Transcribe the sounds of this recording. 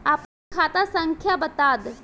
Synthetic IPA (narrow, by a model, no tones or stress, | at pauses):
aːpnikʰaːt̪asə̃ŋkʰjabət̪aːd̪